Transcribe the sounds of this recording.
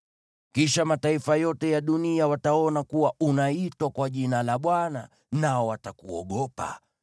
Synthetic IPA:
kiʃamataifajɔtɛjaɗuniawataɔnakuwaunaitwakwaʄinalaɓwana | naɔwatakuɔ̰ɠɔpa̰

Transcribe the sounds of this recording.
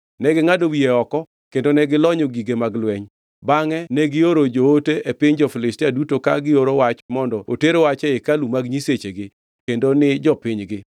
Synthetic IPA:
nɛɡɪŋadowieɔkɔ | kendonɛɡɪlɔɲoɡiɡemaɡlwɛɲ | baŋɛnɛɡɪoɾod͡ʒooteʔepɪɲd͡ʒɔfɪlɪstiadutokaɡɪoɾowat͡ʃmɔndɔo̰teɾowat͡ʃɛɪkalumaɡɲiset͡ʃeɡɪ | kendonɪd͡ʒɔpɪɲɡɪ

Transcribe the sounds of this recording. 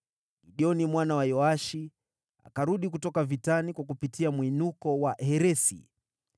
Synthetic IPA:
ɡiɗiɔnimwanawajɔaʃi | a̰kaɾuɗikutɔkavitanikwak̬upitiamwinukɔwahɛɾɛsḭ

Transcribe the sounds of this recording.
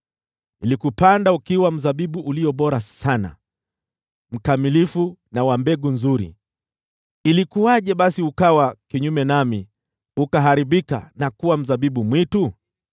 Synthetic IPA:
ilikupandaukiwam̩zaɓiɓuʔːliɔɓɔɾasana̰ | m̩kamilifunawambɛɡunzuɾḭ | ilikuaʄɛɓasiukawakiɲumɛnami | ukaɦaɾiɓika̰nakuwam̩zaɓiɓumwitu

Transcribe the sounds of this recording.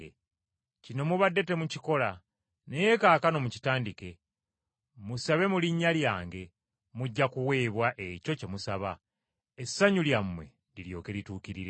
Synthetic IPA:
cino̞muβadːe̞te̞muciko̞la | nejekaːkano̞muci̥taːndike̞ | musaβe̞muliɲːaljaːŋɡe̞ | muɟːakuwe̞ːβwaʔe̞co̞ce̞musaβa | esːaɲuljamːwe̞̰ | liljo̞ːke̞lituːkiɾiɾe

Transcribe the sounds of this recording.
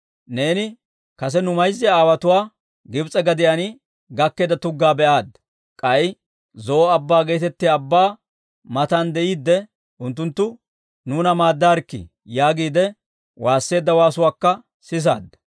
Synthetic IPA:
ne̞ːnɪ | kɐs̬ɛnʊmɐjzːɪjaaːwɐt̪ʊwaː | ɡɪbt͡sʼɛɡɐd̪ɪjanɪ | ɡɐkːeːd̪ɐt̪ʊɡːaːbɛʔaːd̪ːɐ | kʼɐj | zɔɔɐbːaːɡeːt̪ɛt̪ːɪaːbːaː | mɐt̪and̪ɛʔiːd̪ːɛ | ʊnt̪ːʊnt̪ːʊ | nuːnɐmaːd̪ːaːɾkːɪ̰ | jaːɡiːd̪ɛ | waːsːe̞ːd̪ːɐwaːsʊwaːkːɐ | sɪs̬a̰ːd̪ːɐ

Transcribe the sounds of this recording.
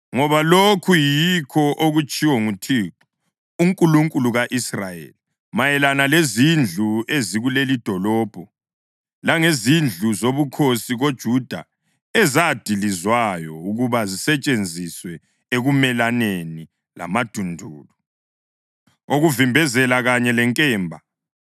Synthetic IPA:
ŋɔβalokʰujikʰɔʔoɣut͡ʃʼiwɔŋutʰiǁɔ̥ | uŋkʼuluŋkʼuluɣaʔisra̰jḛli | majɛlanalezind͡ɮʱueziɣulelid̥ʱɔlɔːb̥ʱɔ | laŋezind͡ɮʱuzoβukʰosiɣod̥ʒ̥ʱud̥ʱa̰ | ɛzad̥ʱilizwajɔuɣuβazisɛt͡ʃʼend͡zʱiswɛ | eɣumɛlaneni | la̰mad̥ʱundʱuːlu | oɣuvimbʱɛzɛlaɣaɲɛlɛŋkʼɛːmbʱa

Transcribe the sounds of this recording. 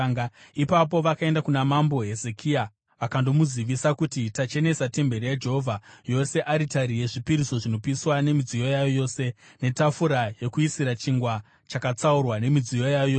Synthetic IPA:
ŋɡipapo̞ʋakae̞ndakunamambo̞ɦe̞ze̞kʰia | ʋakando̞muziʋisakutitat͡ʃe̞ne̞sate̞mbe̞ɾijad͡ʒeɦovʱajo̞se̞ʔaɾitaɾije̞ʐipiɾiso̞ʐino̞piswane̞mid͡zijo̞jajojo̞ːse̞ | ne̞tafuɾaje̞kuisiɾat͡ʃiŋɡwa | t͡ʃakat͡saurwane̞mid͡zijo̞jajojoː

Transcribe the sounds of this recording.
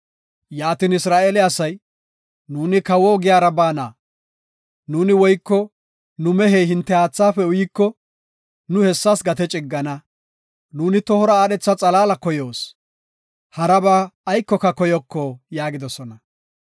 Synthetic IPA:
jaːt̪iːnɪsɾaːʔeːlɪɐsɐj | nuːnɪkɐwoːɡɪjaːɾɐbaːnaː | nuːnɪwɔjkːɔ | nʊmɛɦeːɦɪnt̪ːɛaːt͡sːaːfɛʊjikːɔ | nʊhɛsːasɡɐt̪ɛt͡ʃʼɪɡːɐnɐ | nuːnɪt̪ɔhɔɾɐaːɗɛt͡sːɐt͡sʼɐlaːlɐkɔjoːs | hɐɾɐbaːjkːɔkːɐkɔjɔkʰːɔjaːɡɪd̪ɔsɔnɐ

